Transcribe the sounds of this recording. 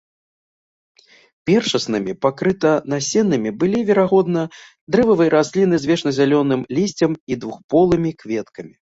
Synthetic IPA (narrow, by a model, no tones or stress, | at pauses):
pʲɛrʂɐsnɨmʲipakɾɨt̪ɐnasʲɛnːɨmʲibɨlʲivʲɛɾaɣɔd̪nɐ | d̪ɾɛvɐvɨjɐɾazʲlʲinɨzʲvʲɛʂnɐzʲalʲɔnɨmlʲisʲt͡sʲɐmid̪vuxpɔlˠɨmʲikvʲɛt̪kɐmʲi